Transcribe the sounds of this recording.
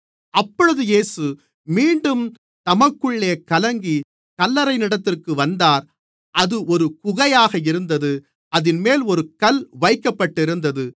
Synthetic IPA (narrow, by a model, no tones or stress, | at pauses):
ɐpːɔɻɯðɯjeːsɯ | miːɳɖɯm | t̪ɐmɐkːɯɭːeːkɐlɐŋɡi | kɐlːɐɾɐɪnɪɽɐt̪ːɪrkɯʋɐnd̪aːɾ | ɐðɯʔɔɾɯkʊɣɐjaːɣɐɪɾɯnd̪ɐðɯ | ɐðɪnmeːlɔɾɯkɐlʋɐɪkːɐpːɐʈːɪɾɯnd̪ɐðɯ